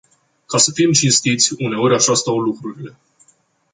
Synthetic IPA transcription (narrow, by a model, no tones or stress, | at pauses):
kasəfimt͡ʃinst̪it̪sʲune̞o̞ɾʲaʃast̪awlukɾuɾile̞